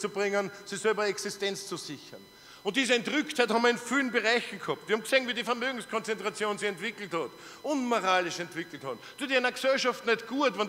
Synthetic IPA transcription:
t͡subʁɪŋənsisɛlbɐɛksɪstɛnt͡st͡susɪçɐn | ʊ̃nt̚d̥iːzəɛntʁʏkthæɪthɑmɐɪnfiːlənbəʁaɪçn̩khɔp̚tvihɑmkseːnviːdifɛɐmøːɡŋ̩skʰɔ̃nt͡sɛntʁat͡sjoːnsiɛntv̥ɪkl̩thɔt | ʔʊnmoʁaːlɪʃɛntv̥ɪkl̩thɔ | d̥uːtinɐɡsɛlʃɑftnɛtɡ̥uːətvɛn

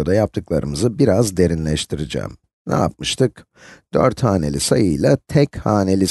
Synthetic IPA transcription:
od̪ajap̚t̪ʰɯklˠaɾɯmɯzɯbiɾazd̪e̞ɾinlʲɛʃt̪ʰiɾid͡ʒɛ̰ːm | nʔa̰a̰p̚mɯʃt̪ʰɯk | d̪̥ø̰ɾt̪haːnelʲisajɯjlˠat̪ʰɛchaːnelʲi

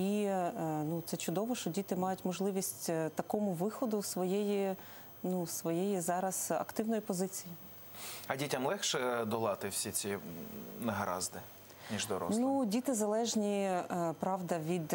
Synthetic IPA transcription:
i | nut̪sɛt͡ʃʊd̪ɔʋɔʃt͡ʃɔdʲit̪ɪmɑjʊtʲmɔʒlˠɪʋʲisʲtʲt̪ɐkɔmʊʋɪxɔd̪ʊsʋɔjɛji | nusʋɔjɛjizɑɾɐz̥ɐ̰kt̪ɪwnɔjipɔzɪt͡sʲiji | ɐdʲitʲɐmlˠɛxʃɛd̪ɔlˠɑt̪ɪwsʲit͡sʲinɐɦɐɾɑ̰zd̪ɪ | nʲiʒd̪ɔɾɔ̰nudʲit̪ɪzɐlˠɛʒnʲipɾɑwd̪ɐʋʲid̪

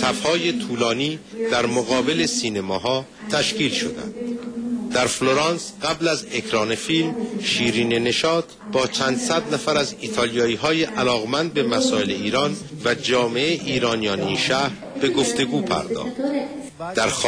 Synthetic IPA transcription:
t̪ʰæfhɒːje̞t̪ʰuːlɒːniːd̪̥æɾmoɣɒːbe̞le̞siːnemɒːɦɒː | t̪ʰæʃciːlʃo̞̰d̪æ̰nd̪̥d̪æɾflo̞ɾɑːnsɢæblæze̞kʰɾɒːne̞fiːlmʃiːɾiːnene̞ʃɒːt̪ʰbɒːt͡ʃʰænd̪sæd̪næfæɾæziːt̪ʰɒːlijɒːiːɦɒːjeʔælɒːɣmænd̪̚be̞mæsɒːele̞iːɾɒːn | væd͡ʒɒːme̞ʔeʔiːɾɒːnijɒːneinʃæːhɾ | b̥e̞ɡo̞ft̪e̞ɡuːpʰæ̰ɾd̪ɒ̰ːxd̪ | d̪̥æɾx

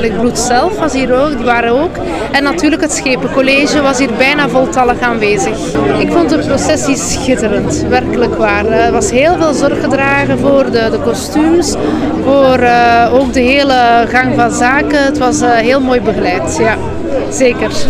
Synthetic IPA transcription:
ləɡ̚blutsɛlˠfʋɑsɦiːɾoːdiʋaːɾənoːk | ɛnːɑtyːrləkɦətsxeːpəkɔleːʒəʋɑsɦiːrbɛjnaːvɔlˠtɑlˠəxaːnʋeːzəxɪkfɔntəprosɛsisxɪtəɾənt | ʋɛrkələkʋaːrəʋɑsɦeːlˠveːlˠzɔrɣɣədraːɣəvoːrdədəkɔstyms | voːrəoːɡ̚dəɦeːləɣɑŋvɑnzaːkəətʋɑsɦeːlˠmoːjbəɣəlɛjtja | z̥eːkər

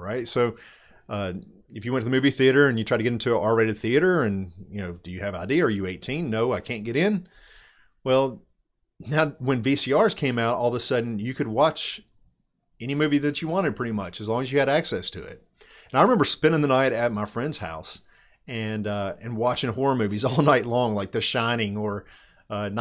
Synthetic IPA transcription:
ɹaɪtsoʊ | ʌ | ɨfjɨwɛ̃ntʰɨðɨmʉviθiɨɾə˞ɨ̃njɨtʰɹ̥aɪtɨɡɛɾɪ̃ntʰʉʔɑɹeɪɾɨd̪̚θiɨɾə˞ɨ̃njɨnoʊd̥ɨjɨɨvaɪdiɨə˞jɨeɪtʰĩnːoʊaɪkʰæ̃nɡ̥ɛɾɪ̃n | wɛlˠ | naʊwɨ̃nvisiɑɹz̥kʰẽɪ̃maʊɾɔlˠðəsʌdⁿn̩jɨkʰɨd̚wɑt͡ʃ | ɛñimʉviðɨt͡ʃɨwɑ̃ɾ̃ɨd̚pʰɹ̥ɪɾimʌt͡ʃɨzlɔ̃ŋɨzjɨɨɾæksɛstʰɨ̰ɪ̰t̚ | ɨ̃naɪɹɨɪmɛ̃mbə˞spɪ̃ñɪ̃ŋðənaɪɾɨt̚maɪfɹɛ̃ndz̥ha̰ʊs | ɨ̃nʌɨ̃nwɑt͡ʃɪ̃ŋhɔɹəmʉvizɔlˠnaɪtˡlɔ̃ŋlaɪk̚ðɨʃãɪ̃ñɪ̃ŋə˞ | ʌna

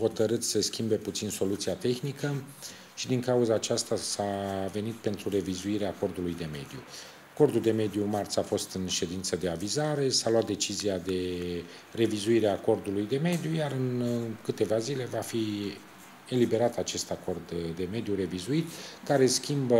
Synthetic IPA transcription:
ho̞t̪əɾɨt̪seskʲimbe̞put̪sinso̞lut̪siat̪e̞xnikə | ʃid̪iŋkauzəːt͡ʃast̪asave̞nit̪̚pe̞nt̪ɾure̞vizuiɾeaːko̞rd̪ulujd̪e̞me̞d̪ijṵ | ako̞rd̪uld̪e̞me̞d̪jumart̪safo̞st̪ɨnʃe̞d̪int̪səd̪e̞avizaɾe̞salwat̪̚d̪e̞t͡ʃiziad̪e̞ | re̞vizuiɾeaːko̞rd̪ulujd̪e̞me̞d̪ijujaɾɨnkɨt̪e̞vazile̞vafi | e̞libe̞ɾat̪at͡ʃe̞st̪ako̞rd̪ːe̞me̞d̪juɾe̞vizuit̪kaɾe̞skʲimbə

